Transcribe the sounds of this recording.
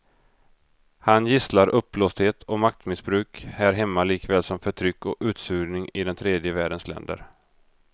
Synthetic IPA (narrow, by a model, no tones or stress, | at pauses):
hanjɪslaɾʔɵpːloːst̪heːt̪ʰɔmak̚t̪mɪsbɾʉ̟ːkhæːɾɦɛmːaliːkvɛːlsɔmfœʈʰɾʏkːɔʉ̟ːt̪sʉːnɪŋɪd̪ɛnt̪ʰɾeːd̪jəvæːɖənslɛ̰nd̪ə̰ɾ